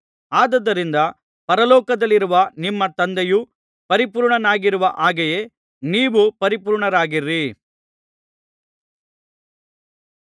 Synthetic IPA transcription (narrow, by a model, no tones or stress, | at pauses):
aːd̪ɐd̪ːɐɾind̪ɐ | pɐɾɐlɔːkɐd̪ɐlːiɾuʋɐnimːɐt̪ɐnd̪ɛju | pɐɾipuːɾɳɐnaːɡiɾuʋɐʔaːɡɛjeː | niːʋupɐɾipuːɾɳɐɾaːɡiɾi